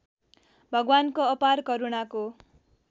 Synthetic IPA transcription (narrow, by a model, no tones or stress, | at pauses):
bʱʌɡwankoʌparkʌɾunako